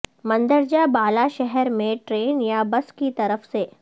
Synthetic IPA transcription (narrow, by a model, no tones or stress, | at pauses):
mɐ̃nd̪əɾd͡ʒabaːlaʃɛɦɛɾmẽʈɾeːnjabɐskit̪ɐɾəfse